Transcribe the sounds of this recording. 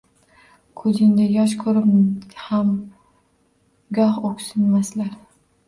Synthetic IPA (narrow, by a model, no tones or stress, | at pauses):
kʰɵzɪnd̪ajɒʃ̬kʰɵɾɪpham | ɡɒhokʲsɪnmaslaɾ